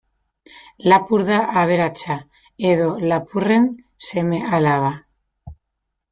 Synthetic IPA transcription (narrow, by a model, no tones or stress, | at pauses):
lapuɾðaʔaβ̞e̞ɾat͡ʃa | eðo̞lapure̞n | se̞me̞alaβ̞a